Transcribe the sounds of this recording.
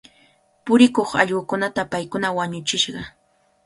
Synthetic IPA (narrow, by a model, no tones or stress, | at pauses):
pʊɾɪkoχɑ̰ʎɢʊkʊnat̪apajkʊnawaɲʊt͡ʃɪʃɢɑ